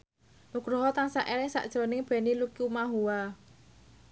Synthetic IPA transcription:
nuɡ̥ɾɔɦɔt̪aŋsaʔelɪŋsa̰ʔd̥ʒ̥ɾɔ̤nɪŋb̥ɛ̤nilukiumaɦuwa

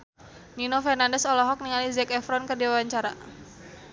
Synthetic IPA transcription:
ninofɛrnandɛsɔlɔɦɔk̚niŋalizɛkɛfɾɔnkərdiwawaɲt͡ʃaɾa

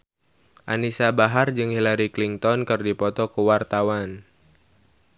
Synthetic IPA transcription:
ʔa̰nisabaɦard͡ʒɨŋhilaɾikliŋt̪ɔnkɨrdipɔt̪ɔkuwart̪awan

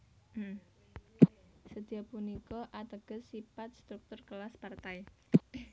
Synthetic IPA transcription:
səd̪̥i̤ɔpunikɔʔat̪əɡ̥ə̤sifat̪̚st̪ɾuk̚t̪ʊrkəlaspart̪aj

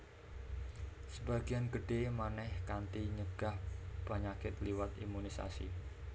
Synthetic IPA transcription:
səbaɡ̥ianɡ̥əɖ̥emanɛhkant̪iɲəɡ̥a̤hpaɲakɪt̪liwat̪imunisa̰sḭ

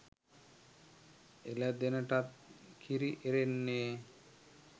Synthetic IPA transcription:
elɛd̪enəʈat̪̚kʰiɾiʔeɾenːe

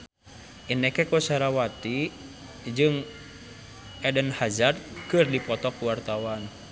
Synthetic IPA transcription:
ʔinɛkɛkɔsaɾawat̪i | d͡ʒɨŋ | ʔɛdənhazad̚kɨrdipɔt̪ɔkuwart̪awan

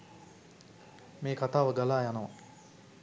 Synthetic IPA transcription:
meːkat̪aːʋəɡalaːjanɐʋa̰

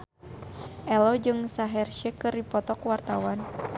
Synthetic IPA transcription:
ʔɛlɔd͡ʒɨŋsaɦɛrʃɛkɨrdipɔt̪ɔkwart̪awan

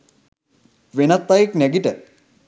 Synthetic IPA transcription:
ʋenɐt̪ːajiknɛɡiʈə

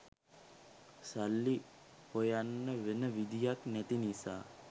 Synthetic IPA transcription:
salːi | pojanːəʋenəʋid̪ʱijaknæt̪inisaː

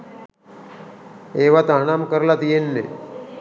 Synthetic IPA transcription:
eʋat̪aɦɽ̃amkəɾlat̪jenːe

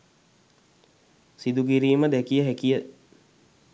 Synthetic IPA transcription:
sid̪uɡiɾiːməd̪ɛkijəɦækijə

